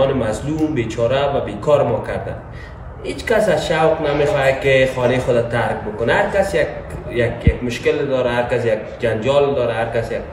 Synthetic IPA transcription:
ɔnɪmazlumbet͡ʃʰɒɾavabekʰɔɾɪmɔkaɾd̪a̰n | het͡ʃkasazʃawqnamexɔjakɪxɔnexʊd̪at̪aɾk̚bʊkʊnaaɾkasjak̚jakjakmʊʃkɪld̪ɒɾaɦaɾkas̬jak̚ | d͡ʒand͡ʒɔld̪ɔɾaɦaɾkasjak̚

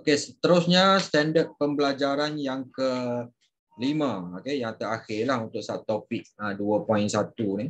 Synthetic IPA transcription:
okesət̪əɾusɲast̪ɛndət̪̚pəmbəlad͡ʒaɾanjaŋkə | limə̃okejaŋt̪əɾaxɪrlahunt̪ʊk̚sa̰t̪opɪk̚əduəpɔɪnsat̪uni

